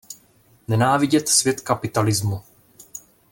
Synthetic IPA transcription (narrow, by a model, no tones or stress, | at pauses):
nɛnaːvɪɟɛt̪svjɛt̪kapɪt̪alɪzmu